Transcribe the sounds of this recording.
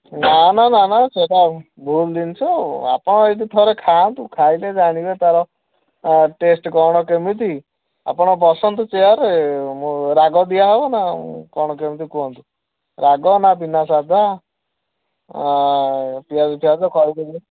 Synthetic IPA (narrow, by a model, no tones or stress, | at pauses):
nanananat͡ʃʰoʈa | bʱuld̪int͡ʃʰɔa̰pɔɽ̃ɔed̪it̪ʰɔɾekʰant̪ukʰajled͡ʒaɽ̃ibet̪aɾɔ | ʈesʈkɔɽ̃ɔkemit̪i | a̰pɔɽ̃ɔp̬ɔsɔnt̪ɔt͡ʃejɔɾemũɾaɡɔd̪ijaɦebɔna̰kɔɽ̃ɔkemit̪ikɔnt̪u | ɾaɡɔnapinasad̪ʱa | pijad͡ʒt̪ʰiad͡ʒɔkʰɔɾik̪ed͡ʒi